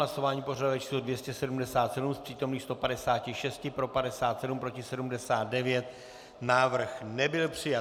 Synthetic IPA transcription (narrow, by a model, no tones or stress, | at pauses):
laso̞vaːɲiːpo̞raduvɛt͡ʃi̥ːslodvjɛscɛsɛdumdɛsaːt̪sɛdumspr̥iːt̪o̞mniːxst̪o̞padɛsaːcɪʃɛscɪpɾo̞padɛsaːt̪sɛdumpɾo̞cɪsɛdumdɛsaːt̪̚dɛvjɛt̪ | naːvr̩xnɛbɪlpr̝̥ɪja